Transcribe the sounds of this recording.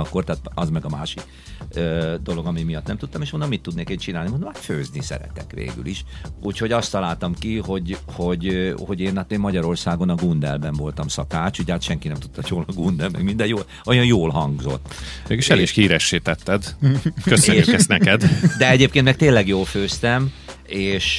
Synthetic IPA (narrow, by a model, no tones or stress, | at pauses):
ɒkːo̞rt̪aːt̪ɒzmɛɡɒmaːʃik | ød̪o̞lo̞ɡɒmimijɒt̪nɛmt̪ut̪ːɒmeːʃmonomit̪ːud̪neːkeːnt͡ʃinaːlnimond̪omaføːznisɛ̰ɾɛ̰t̪ɛ̰kʋḛːɡy̰liʃʔuːcho̞ɟɒst̪ːɒlaːlt̪ɒmkiho̞ɟho̞ɟho̞ɟeːnɒt̪eːmːɒɟɒɾo̞rsaːɡo̞nɒɡund̪ɛ̰lbɛɱvo̞lt̪ɒmsɒkaːt͡ʃuɟaːt̪ʃɛŋkinɛmt̪u̥t̪ːɒjoːlɒɡund̪ɛlmɛ̰ɡmind̪ɛjoːl | ojɒjoːlɦɒŋɡzo̞̰t̪ːeːɡiʃɛlliʃhiːɾɛʃːiːt̪ɛt̪ːɛd̪køsøɲːykɛst̪nɛkɛd̪d̪ɛɛɟeːpkenmɛk̚t̪eːnlɛɡjoːlføːst̪ɛmeːʃ